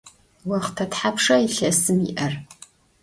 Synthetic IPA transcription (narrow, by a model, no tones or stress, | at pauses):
wɐχtʰɐtħapʂɐiɬɐsɨmḭʔɐr